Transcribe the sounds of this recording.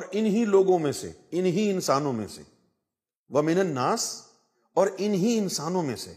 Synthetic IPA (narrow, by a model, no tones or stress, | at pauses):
ɔːɾɪnɦiloːɡõmẽsḛɪnɦiɪnsaːnõmḛ̃sḛ | ʋɐmɪnənːaːs | ɔːɾɪnɦiɪnsaːnõmẽsḛ